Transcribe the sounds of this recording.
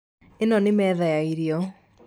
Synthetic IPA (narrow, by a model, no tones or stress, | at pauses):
enɔnɪmɛðajaiɾiɔ